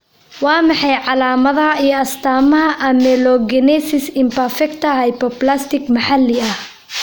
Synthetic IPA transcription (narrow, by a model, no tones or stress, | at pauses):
wɑːmɑħɑjʕɑlaːmɐðɐɦɐijɔɐst̪ʰaːmɐɦɐʔɐmɛlɔɡɛnɛsɪsɪmpɐrfɛkt̪ʰɐhɐjpɔplast̪ɪkmɑħɑlːɪɐh